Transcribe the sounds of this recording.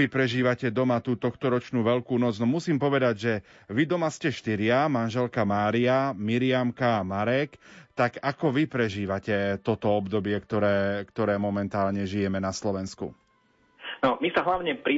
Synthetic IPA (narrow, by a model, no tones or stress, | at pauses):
ipɾɛʒiːʋacɛd̪ɔmat̪uːt̪ɔxt̪ɔɾɔt͡ʃnuːʋɛʎkuːnɔd͡znɔmusiːmpɔʋɛd̪aɟʒɛ | ʋid̪ɔmascɛʃt̪iɾɪamanʒɛlkamaːɾiamiɾɪamkaːmaɾɛkt̪akakɔʋipɾɛʒiːʋacɛt̪ɔt̪ɔɔbd̪ɔbɪɛkt̪ɔɾɛːkt̪ɔɾɛːmɔmɛnt̪aːlɲɛʒijɛmɛnaslɔʋɛnskṵ | nɔmisaɦlaʊɲɛpɾi